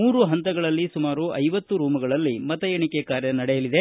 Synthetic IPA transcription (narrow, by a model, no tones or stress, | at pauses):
muːɾuɦɐnt̪ɐɡɐɭɐlːisumaːɾuʔɐjʋɐt̪ːuɾuːmɐɡɐɭɐlːimɐt̪ɐjeɳikekaːɾjɐnɐɽɛjɐlid̪e